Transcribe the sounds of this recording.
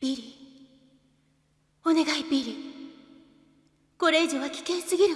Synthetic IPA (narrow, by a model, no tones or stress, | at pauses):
iɾʲi | one̞ɡaibʲiɾʲi | ko̞ɾe̞ːʑiβakʲi̥kẽɰsɨɡʲiɾɯ